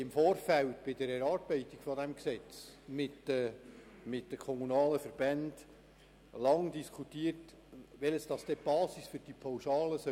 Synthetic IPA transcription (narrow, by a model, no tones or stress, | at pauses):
ɪmfoːɾfæltb̥ɪdəɾɛɾɑːɾb̥ɛɪtːiɡ̥fɔdæmksɛt͡smɪtə | mɪt̚dəkʰɔmunɑːləfəɾbænd | lɑŋdiskʰutːiət | ʋɛləsd̥ɑsd̥ɛb̥ɑːsisfʏɾd̥ipʰowʃɑːləsœ